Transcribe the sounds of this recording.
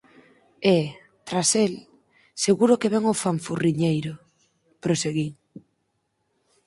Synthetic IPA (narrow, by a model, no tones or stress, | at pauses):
e | t̪ɾasel | seɣuɾʊkeβɛŋofaɱfuriɲejɾʊ | pɾoseɣiŋ